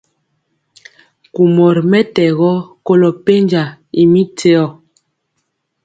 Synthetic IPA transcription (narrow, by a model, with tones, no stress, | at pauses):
ku˨mɔ˨ɾmɛ˦tɛ˨ɣɔ˦ko˦lɔ˨pe˦nd͡ʒa˨i˨mi˦te˦ɔ˦˨